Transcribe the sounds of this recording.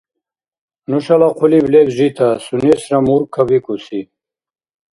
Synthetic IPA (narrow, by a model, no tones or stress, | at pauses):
nuʃalaqʰuliblɛbʒit̪ʰasunɛsɾamuɾkʰːabikʼusi